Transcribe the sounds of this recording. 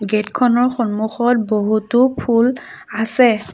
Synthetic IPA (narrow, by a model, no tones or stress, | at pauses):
ɡetkʰɔnɔɹxɔnmuxɔt̚boɦutupʰul | asɛ